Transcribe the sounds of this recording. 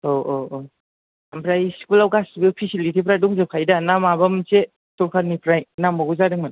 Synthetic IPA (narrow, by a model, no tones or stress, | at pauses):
ooo | ampɾajskulawkasbɯpʰisilitipɾajdɔŋzɯpkʰajdanamabamse | tɔɾkʰaɾnipɾajnambaɡuzadɯŋman